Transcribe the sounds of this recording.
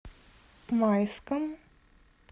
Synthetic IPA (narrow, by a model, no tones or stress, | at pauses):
majskəm